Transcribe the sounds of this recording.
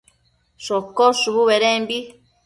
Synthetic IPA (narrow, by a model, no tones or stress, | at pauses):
sokːosuβuβeɾembi